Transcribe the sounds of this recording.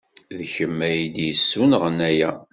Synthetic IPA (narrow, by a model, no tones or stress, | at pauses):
ðçəmːæjid̪jəsːunʁənæjæ